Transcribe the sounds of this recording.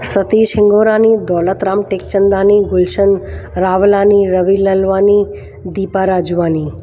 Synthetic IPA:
sət̪iʃʰɪŋɡoɾanid̪ɔlət̪ɾamʈek̚t͡ʃənd̪aniɡʊlʃənɾaʋlaniɾəʋiləlʋani | d̪ipaɾad͡ʒuʋani

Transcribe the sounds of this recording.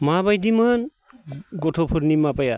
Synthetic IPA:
mabajdimɯn | ɡɔtʰɔpʰuɾnimapaja̰

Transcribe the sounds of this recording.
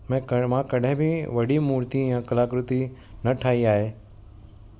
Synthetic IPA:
mɛ̃mãkɐɗɦẽbʱiʋɐɽimuːɾt̪ijãkɐlaːkɾʊt̪i | nɐʈʰaːiaːɦeː

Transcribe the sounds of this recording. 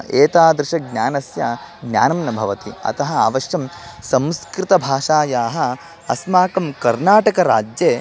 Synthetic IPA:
eːt̪aːd̪ɾɪʃɐɡ̚nʲaːnɐsjɐ | ɡnʲja̰ːnɐmnɐbʱɐʋɐt̪iɐ̰t̪ɐɦɐa̰ːʋɐʃjɐm | sɐ̃mskɾɪt̪ɐbʱaːʃaːjaːɦɐ̆ | ɐsmaːkɐmkɐɾnaːʈɐkɐɾa̰ːd͡ʒjeː

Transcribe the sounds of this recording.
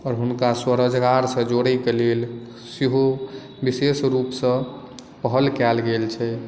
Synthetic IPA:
ɔːɾɦunkaswəɾəd͡ʒɡaɾsə̃d͡ʒoɽɛjkelel | siɦo | bisesɾupsə̃ | pəɦəlkɛlɡelt͡ʃʰɛ

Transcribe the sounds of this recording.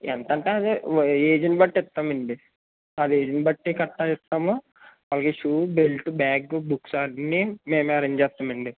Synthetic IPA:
ent̪ɐɳʈeːɐd̪ieːd͡ʒɐnbɐʈːɛt̪ːaːmiɳɖi | ɐd̪ieːd͡ʒinbɐʈːikɐʈːɐit̪ːaːmo | ʋaːlːɐkeʃuːbelʈubaːɡbuksanːimeːmɐɾiɲd͡ʒɛːt̪ːaːmɐɳɖi

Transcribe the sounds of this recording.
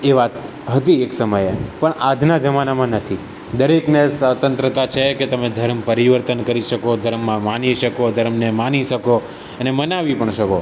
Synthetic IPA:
eʋat̪ | ɦət̪ieksəməjepəɳad͡ʒnad͡ʒəmanamãnət̪ʰi | d̪əɾeknesət̪ə̃nt̪ɾət̪at͡ʃʰeket̪əmed̪ʱəɾmpəɾiʋəɾt̪ənkəɾiʃəkod̪ʱəɾmːãmaniʃəkod̪ʱəɾmnemaniʃəko | ənemənaʋipəɳʃəko

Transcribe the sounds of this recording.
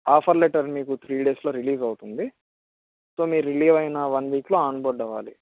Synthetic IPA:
aːpʰɐɾleʈɐɾmiːkut̪ʰɾiːɖe̞ːslo̞ːɾiliːzɐwut̪und̪i | so̞ːmiːɾɾiliːʋɐjnɐʋɐnʋiːkloːaːɳboːɾɖɐʋa̰ːli

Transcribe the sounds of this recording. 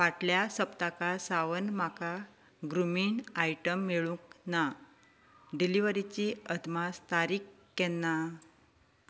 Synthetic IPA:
ʋaʈljasəpt̪akasaʋənmaka | ɡɾumiːɳajʈəmːeɭũkna | ɖiliʋəɾit͡ɕiəd̪mast̪aɾikːɛnːa

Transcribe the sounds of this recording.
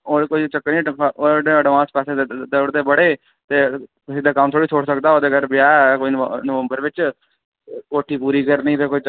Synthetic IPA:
oːkoːiːt͡ʃəkːĩoːʈeəɖʋãːspɛːsed̪əbɽt̪eːbəɽeː | t̪eːpsiːd̪eːkəmt̪ʰoːɽiːt͡ʃʰoːɽsəkd̪aːoːd̪eːɡəɾbɪjaːkoːinnəʋəmbəɾʋɪt͡ʃ | koːʈʰiːpuːɾiːkəɾnĩːt̪eːkoiː

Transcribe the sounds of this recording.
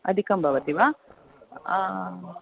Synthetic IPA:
ɐ̰d̪ʱikɐmbʱɐʋɐt̪iʋa

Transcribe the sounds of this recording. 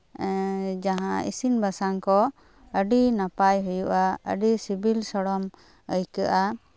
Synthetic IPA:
d͡ʒaɦãḭsinbʱasaŋkɔ | əɖinapajɦujuʔaə̰ɖisibilsɔɽɔm | əjkaʔa

